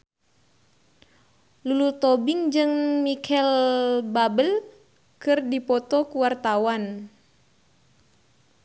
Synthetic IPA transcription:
lulut̪ɔbiŋd͡ʒɨŋmikʰɛlbabəl | kɨrdipɔt̪ɔkuwart̪awan

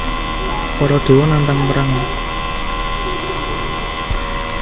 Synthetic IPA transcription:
pɔɾɔd̪̥o̤wɔnant̪aŋməɾaŋɔ

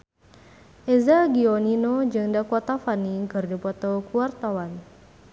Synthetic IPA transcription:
ʔezaɡioninod͡ʒɨŋdakɔt̪afaniŋkɨrdipɔt̪ɔkuart̪awan

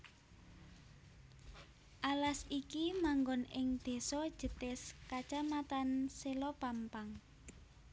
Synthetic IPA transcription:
ʔalasikimaŋɡɔnɪŋd̪̥e̤sɔd̥ʒ̥ə̤t̪ɪskat͡ʃamat̪anselɔpampaŋ

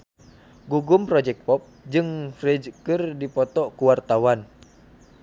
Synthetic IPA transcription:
ɡuɡumpɾɔd͡ʒɛk̚pɔp̚d͡ʒɨŋfrɛd͡ʒkɨrdipɔt̪ɔʔkuwart̪awan

